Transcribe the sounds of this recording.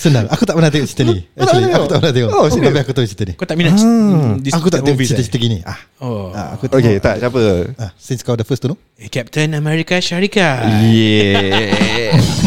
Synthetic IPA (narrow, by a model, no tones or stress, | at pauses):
sənãŋakut̪aʔpənãt̪̬eoʔt͡ʃi̥t̪əniaakuaʔpənat̪eəoiapiakut̪aut͡ʃi̥t̪ənikot̪aʔmĩna | iakut̪aʔ̪eoit͡ʃit̪ət͡ʃit̪əɡiniahoaa̰kut̪oket̪aʔt͡ʃapəasinskawdəfəst̪unɔ | kɛp̚t̪ənamɛɾikaʃaɾikajɛ